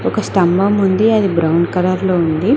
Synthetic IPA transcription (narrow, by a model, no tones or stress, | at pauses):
ɔkɐsʈɐmbɐmund̪iɐd̪ibɾɐwɳɖkɐɾɐɾloːund̪i